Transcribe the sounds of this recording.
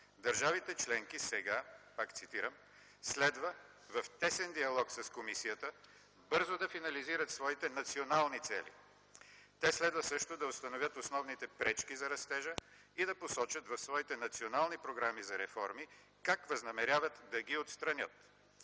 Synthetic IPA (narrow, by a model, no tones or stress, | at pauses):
d̪ɐɾʒavit̪ɛt͡ʃlɛŋkisɛɡapakt̪sit̪iɾəm | slɛd̪və | vɐft̪ɛsɛnd̪iɐlˠɔksɐskomisijət̪ə | bɤɾzod̪ɐfinɐliziɾət̪svɔit̪ɛnɐt̪sionalˠnit̪sɛ̰lḭ | t̪ɛslɛd̪vəsɤʃt̪od̪ɐost̪ɐnovʲjət̪osnɔvnit̪ɛpɾɛt͡ʃkizɐɾɐst̪ɛʒə | id̪ɐposɔt͡ʃət̪vɐfsvɔit̪ɛnɐt̪sionalˠnipɾoɡɾamizɐɾɛfɔɾmi | kakvɐznɐmɛɾʲjavət̪d̪ɐɡiot̪st̪ɾɐnʲət̪